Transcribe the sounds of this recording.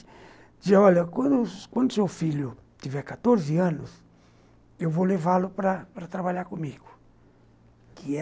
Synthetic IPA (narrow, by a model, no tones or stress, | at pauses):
d͡ʒiɔʎɐkwɐ̃d̪ʊkwɐ̃nd̪ʊsewfiʎʊt̪ivɛkat̪oɾziɐ̃nʊs | ewvolevalʊpɾɐpɾɐt̪ɾabaʎaɾkõmiɡʊ̥ | kɪɛ